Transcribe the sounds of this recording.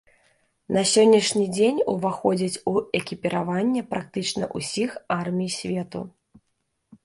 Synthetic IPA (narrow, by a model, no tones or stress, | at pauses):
nɐsʲɔnʲːiʂnʲid͡zʲenʲuvaxɔd͡zʲit͡sʲuɛkʲipʲiɾavanʲːɛpɾak̚t̪ɨt͡ʂnɐʔusʲixarmʲijsʲvʲɛt̪ṵ